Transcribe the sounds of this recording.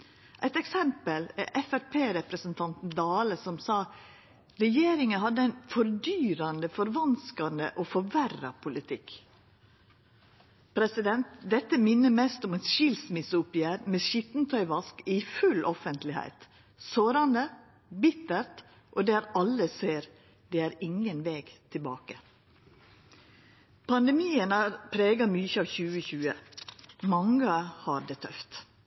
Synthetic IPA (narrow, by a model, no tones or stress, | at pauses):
ʔæɪt̪ɛksɛmpəlæ̰ʔɛfæɾpʰeːɾɛpɾəsənt̪ʰɑnt̪n̩d̪ɑːləsɔmsɑː | ɾɛjeːɾɪŋənhɑd̪ːəæɪnfɔɾd̪yːɾɑnd̪əfɔɾʋɑnskɑnd̪ə̰ʔoːfɔɾʋærɑpʰʊlɪt̪ʰɪk | pʰɾɛsɪd̪ɛnt̪d̪ɛt̪ːəmɪnːəmɛst̪ɔmɛnʃɪlsmɪsʊpɪæːɾmeːʃɪt̪n̩t̪ʰœʏʋɑskɪfʉlʔɔfənt̪lɪhæ̰ɪt̪ | soːɾɑnd̪ə | bɪt̪əɾt̪ | ʔoːd̪æːɾɑlːəseːɾ | d̪ɛːæːɾɪŋənʋeːɡt̪ʰɪbɑːkə | pʰɑnd̪ɛmiːənɑɾpʰɾeːɡɑmyçəɑːʋçʉːəçʉːə | mɑŋəhɑɾd̪eːt̪ʰœft̪